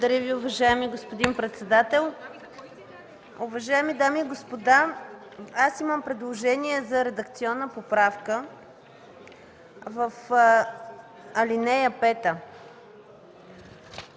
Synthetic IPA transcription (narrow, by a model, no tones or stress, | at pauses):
d̪ɐɾʲəviʊvɐʒaɛmiɡospod̪inpɾɛt̪sɛd̪at̪ɛlˠ | ʊvɐʒaɛmid̪amiɡospod̪a | asiməmpɾɛd̪lˠoʒɛniɛzɐɾɛd̪əkt̪siɔnːəpopɾafkə | vɐf | ɐlinɛjəpɛt̪ə